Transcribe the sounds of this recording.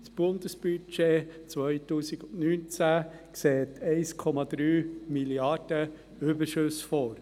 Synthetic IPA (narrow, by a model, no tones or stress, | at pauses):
sb̥ʊnd̪əsb̥yt͡ʃet͡sʋœɪtuːsiɡʊnnyːnt͡sæ | kseːt̪ʰɛɪskʰɔmɑd̪ɾyːmiljɑɾd̥ə | ʏbəʃøsfɔɾ